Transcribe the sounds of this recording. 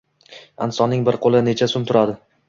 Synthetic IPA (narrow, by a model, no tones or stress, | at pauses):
a̰nsɒnɪŋbɪɾqʰolˠɪne̞t͡ʃʰasʊmt̪ʰʊɾad̪ɪ